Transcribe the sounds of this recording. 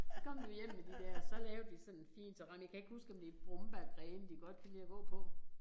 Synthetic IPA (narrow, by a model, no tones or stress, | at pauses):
skʰɒ̽m̰d̥ujem̰med̥id̥æɐ̰sɒ̽lɛːʊd̥isɒ̽nenfḭːnt͡sʰɑʁɑ̈mjakʰæe̝ɡ̥husɡ̥ɒ̽md̥e̝d̥b̥ʁɔmb̥æɡ̥ʁɛːmd̥iɡ̥ɒ̽d̥̚kʰælḭːɐɡ̥ɔ̰̽ːpʰɒ̽